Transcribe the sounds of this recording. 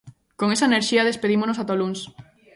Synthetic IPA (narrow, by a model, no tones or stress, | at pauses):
koŋesɐeneɾʃiɐðespeðimonosat̪oluns